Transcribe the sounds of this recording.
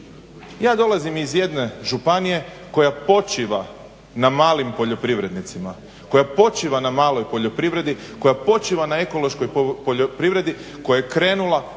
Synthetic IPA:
jaːd̪o̞lˠazimizje̞d̪ne̞ʒupanije̞ | ko̞japo̞t͡ʃiʋa | namaːlimpo̞ʎo̞pɾiʋɾe̞d̪nit̪sima | ko̞japo̞t͡ʃiʋanamaːlo̞jpo̞ʎo̞pɾiʋɾe̞d̪iko̞japo̞t͡ʃiʋanae̞ko̞lo̞ʃko̞jpoopɾiʋɾe̞d̪ikojajekɾe̞ːnulˠa

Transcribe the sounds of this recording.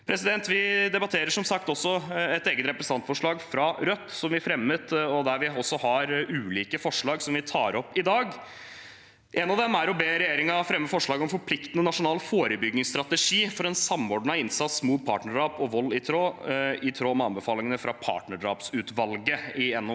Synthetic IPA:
pʰɾɛsɪd̪ɛnt̪ʋɪd̪ɛbɑt̪ʰeːɾəʂɔmsɑk̚t̪ɔsːɔɛt̪eːɡət̪ɾɛpɾəsənɑnt̪fɔʂɭɑːɡfɾɑɾœt̪ːsɔmʋɪfɾɛmːət̪ɔd̪æɾʋɪɔsːɔhɑɾʉːliːkəfɔʂɭɑːɡsɔmʋɪt̪ʰɑːɾɔpːɪd̪ɑːɡ | ʔɛnɑʋd̪ɛmːæɾɔbeːɾɛjeːɾɪŋɑfɾɛmːəfɔʂɭɑːɡɔmfɔɾpʰlɪkt̪ənənɑʂʊnɑːlfoːɾəbʏɡnɪŋst̪ɾɑt̪əʂiːfɔɾɛnsɑmːɔːɖɳɑɪnsɑt̪smuːpʰɑːʈɳnəɖɑːpɔʋɔlːɪt̪ʰɾoːɪt̪ʰɾoːmɛɑnbəfɑːlɪŋənəfɾɑpʰɑ̰ːʈɳəɑ̰ːpsʉːt̪ʋɑlɡəɪɛnːu

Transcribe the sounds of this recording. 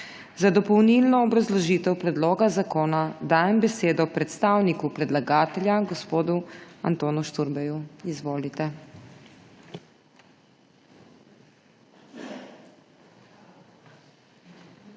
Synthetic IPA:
zad̪ɔpɔwnilnɔːbɾazlɔʒiːt̪ɛwpɾɛd̪loːɡazakoːnad̪aːjɛmbɛseːd̪ɔpɾɛt̪st̪aːwnikupɾɛd̪laɡaːt̪ɛljaɡɔspoːd̪uant̪oːnuʃt̪uɾbɛjuizʋoːlit̪ɛ

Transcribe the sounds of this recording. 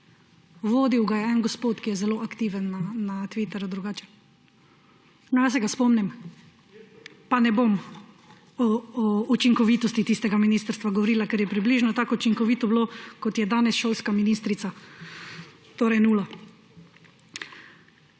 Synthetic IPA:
ʋoːd̪iwɡajɛɛnɡɔspoːt̪kijɛzɛloːʔakt̪iːʋənːanat̪ʋit̪ɛɾud̪ɾuɡaːt͡ʃɛ̥ | nɔjas̬ɛɡaspɔmnɛm | panɛbom | ɔɔut͡ʃiŋkɔʋit̪ɔst̪it̪ist̪ɛɡaminiːst̪əɾst̪ʋaɡɔʋɔɾiːlakɛɾjɛpɾibliːʒnɔt̪aːkɔut͡ʃiŋkɔʋiːt̪ɔblokɔt̪jɛd̪aːnɛsʃoːlskaminist̪ɾit̪sa | t̪oːɾɛjnuːla

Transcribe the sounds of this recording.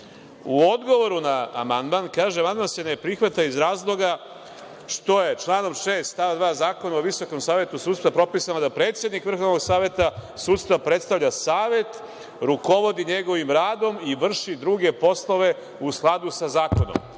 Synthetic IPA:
uod̪ɡo̞ʋo̞ɾunaːmand̪mankaːʒeamand̪mansene̞pɾixʋat̪aizɾaːzlˠo̞ɡa | ʃt̪o̞je̞t͡ʃlˠaːno̞mʃe̞ːst̪aʋad̪ʋaːzaːko̞naoʋiso̞ko̞msaːʋjet̪usut̪st̪vapɾo̞pisamad̪apɾe̞t̪sje̞d̪nikʋr̩xoʋnoɡsaːʋje̞t̪asuːt̪st̪vapɾe̞t̪st̪aʋʎasaːʋje̞t̪ | ɾuko̞ʋo̞d̪iɲe̞ɡo̞ʋimɾaːd̪o̞miʋr̩ʃid̪ɾuːɡe̞po̞slˠo̞ʋe̞ | usklˠad̪usazaːko̞no̰m

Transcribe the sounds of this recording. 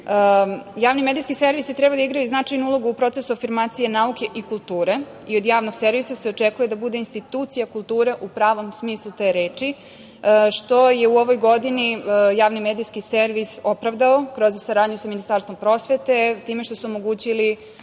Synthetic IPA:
əjaːʋnimed̪ijskise̞ɾʋist̪ɾebad̪aiɡɾajuznat͡ʃajnuulˠo̞ɡuːpɾo̞t̪sesuafiɾmaːt̪sije̞nauke̞ʔikulˠt̪uːɾe̞ | io̞d̪jaːʋno̞ɡse̞ɾʋisase̞ot͡ʂekuje̞d̪abud̪e̞inst̪it̪uːt̪sijakulˠt̪uːɾe̞ʔupɾaːʋo̞msmiːslˠut̪e̞ɾeːt͡ʃi | ʃt̪o̞je̞uo̞ʋo̞jɡo̞d̪inijaːʋnimed̪ijskiseɾʋiso̞pɾaʋd̪aokɾo̞zsaɾaːd̪ɲusaminist̪aːɾst̪vompɾo̞sʋe̞t̪e̞t̪iːmeʃt̪o̞suomo̞ɡuːt͡ɕili

